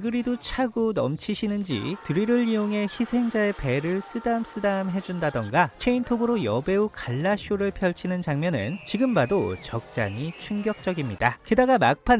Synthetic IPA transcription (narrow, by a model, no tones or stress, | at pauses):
ɡɯɾidot͡ɕʰaɡonʌmt͡ɕʰiɕʰinɯnd͡ʑḭtɯɾiɾɯɭːioŋɦe̞çisʰe̞ŋd͡ʑae̞pe̞ɾɯɭs͈ʰɯdams͈ʰɯdamɦe̞d͡ʑundadʌnɡat͡ɕʰe̞intʰobɯɾojʌbe̞ukaɭːaɕʰoɾɯɭpʰjʌɭt͡ɕʰinɯnt͡ɕaŋmjʌnɯ̰nt͡ɕiɡɯmbadot͡ɕʌk̚t͡ɕ͈a̰ɲit͡ɕʰuŋɡjʌk̚t͡ɕ͈ʌɡimɲidakɯdaɡamak̚pʰa